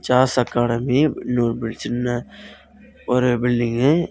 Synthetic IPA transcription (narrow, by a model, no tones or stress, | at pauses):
t͡ʃaːsɐkːaːɽɐminuːɾbɪɭsɪnːɐ | ɔɾɯbɪɭɖɪŋɡ